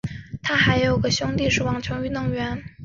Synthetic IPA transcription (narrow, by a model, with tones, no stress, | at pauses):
t̪ʰa˥xa˧˥ɪjo˨˩ʊɡə˦ɕjʊ˥ŋt̪i˥˧ʂɻ̩˥˩wɑ˨˩ŋt͡ɕʰʊ˧˥ŋy˧˥nɤ˧˥˩ŋɥɛ˧˥n